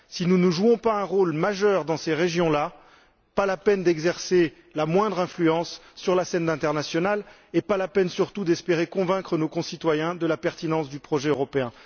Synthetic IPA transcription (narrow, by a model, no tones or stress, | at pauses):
sinunəʒuɔ̃paɛ̃ʁolmaʒœʁd̪ɑ̃seʁeʒjɔ̃la | palapɛnd̪ɛɡzɛʁse | lamwɛ̃d̪ʁɛ̃flyɑ̃sːyʁlasɛnd̪ɛ̃t̪ɛʁnasjɔnal | epalapɛnsyʁt̪ud̪ɛspeʁekɔ̃vɛ̃kχənokɔ̃sit̪wajɛ̃d̪əlapɛʁt̪inɑ̃sd̪ypχɔʒɛøʁɔpeɛ̃